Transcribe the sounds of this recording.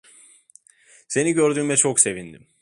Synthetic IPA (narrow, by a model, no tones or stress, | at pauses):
se̞niɟø̞ɾd̪yːmɛt͡ʃʰokse̞vind̪im